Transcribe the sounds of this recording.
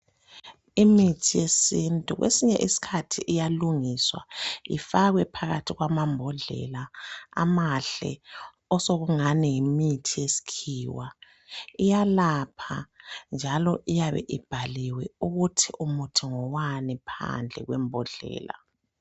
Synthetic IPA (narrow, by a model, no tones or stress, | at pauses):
imitʰijesintʼuɣwʔḛsiɲɛʔisi̥kʰatʰiʔijaluŋiswa̰ifaɣwɛpʰaɣatʰiɣwamambʱɔɮɛ̰laa̰maɬɛ̰ | ɔsoɣuŋanɛjimitʰijesi̥kʰiwa | ijalapʰa̰nd͡ʒʱalɔʔijaβɛ̰ʔib̥ʱaliwɛuɣutʰiʔumutʰiŋɔwanipʰa̰nd͡ɮʱɛ̰ɣwɛ̰mbʱɔɮɛ̰ːla̰